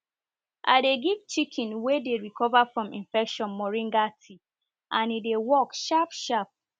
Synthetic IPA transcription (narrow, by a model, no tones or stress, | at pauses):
ʔa̰deɡivt͡ʃikʰĩnwedeɹikʰɔvafɹɔ̃mĩnfɛkʃɔ̃nmɔɹĩŋɡatʰi | ʔãnidewɔkʃapʃap̚